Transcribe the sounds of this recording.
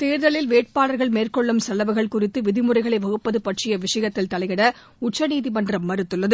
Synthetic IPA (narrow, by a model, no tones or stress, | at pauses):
t̪eːɾðɐɭɪlʋeːʈ̚paːlɐɾɣɐɭmeːrkɔɭːɯmsɐlːɐʋɐɣɐɭkʊrɪt̪ːɯʋɪðɪmɯrɐɪɣɐɭɐɪʋɐɣɯpːɐðɯpɐʈrɪjɐʋɪʂɐjɐt̪ːɪlt̪ɐɭɐɪɣɐɽɐ | ʊt͡ʃːɐniːðimɐndrɐmːɐɾɯt̪ːɯɭːɐðɯ